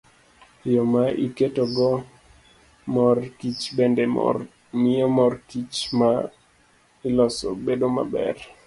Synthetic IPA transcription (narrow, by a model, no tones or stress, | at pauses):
jɔmaʔiketoɡɔ | mɔrkit͡ʃbendɛ̰ | mɪɔmɔrkit͡ʃma | ɪlɔsɔ̰bedoma̰bɛ̰r